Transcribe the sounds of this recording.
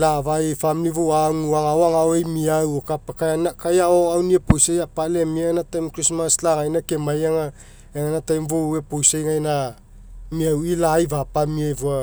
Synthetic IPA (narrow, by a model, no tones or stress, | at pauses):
lavajfamlivowaŋuaŋawaŋaojmiawokapakajanakajaoawniaposajapalemienatajmkɾismaslaŋajnakemajaŋa | eŋanatajmvowepojsajŋajna | miawilajvapamiajvua